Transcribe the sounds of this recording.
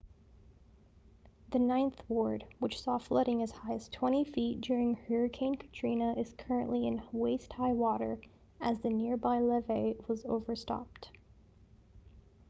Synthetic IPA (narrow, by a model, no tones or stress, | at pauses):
ðɨnãɪ̃nθwɔɹd̚wɨt͡ʃsɔflʌɾɪ̃ŋɨz̥haɪɨz̥tʰw̥ɛ̃ɾ̃ifit̚d̥ʊɹɪ̃ŋhɜɹɨkʰẽɪ̃nkʰə̥tʰɹ̥ĩnəʔɨz̥kʰɜ˞ɨ̃nʔliɨ̃nweɪst̚haɪwɔɾə̰˞ | ʔɨzðɨnɪɹbaɪlɛveɪwʌzo̰ʊvə˞stɑ̰p̚t